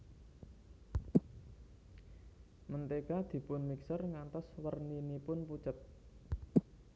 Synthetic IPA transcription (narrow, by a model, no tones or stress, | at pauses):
mənt̪eɡad̪̥i̤pʊnmiksərŋant̪ɔswərninipʊnput͡ʃət̪̚